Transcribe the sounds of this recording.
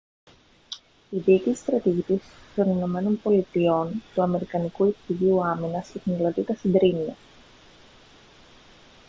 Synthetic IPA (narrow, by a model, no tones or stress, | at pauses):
iðiːcist̪ɾɐt̪iʝit̪ist̪o̞nino̞me̞no̞npo̞lit̪io̞nt̪uɐme̞ɾikɐnikuiktiʝiuɐminɐset̪inelɐt̪it̪ɐsind̪ɾiniɐ